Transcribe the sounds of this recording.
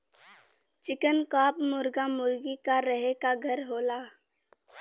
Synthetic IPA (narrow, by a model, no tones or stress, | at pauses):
t͡ʃɪkənkaːpmʊɾɡamʊɾɡikaɾəɦekaɡʱəɾɦoːlaː